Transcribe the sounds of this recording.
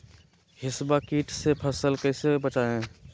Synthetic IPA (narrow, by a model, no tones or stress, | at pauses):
ɦɪsbakiːʈsepʰəsəlkəɪsebət͡ʃaẽ